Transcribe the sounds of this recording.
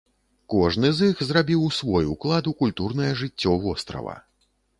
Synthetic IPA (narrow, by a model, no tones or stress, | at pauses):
kɔʐnɨzixzrabʲiwsvɔjuklˠad̪ukulʲt̪urn̪ɐjɐʐɨt͡sʲːɔvɔst̪ɾɐ̰vɐ̰